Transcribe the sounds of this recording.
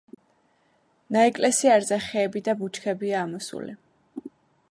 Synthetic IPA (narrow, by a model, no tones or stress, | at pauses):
naɛkʼlɛsiaɾzaχɛːbid̪abut͡ʃʰkʰɛbiaːmɔsṵlḭ